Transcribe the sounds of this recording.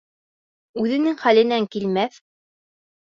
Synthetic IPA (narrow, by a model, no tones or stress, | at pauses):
ʉðɘ̆nɘŋχælɘ̆næŋkilmæθ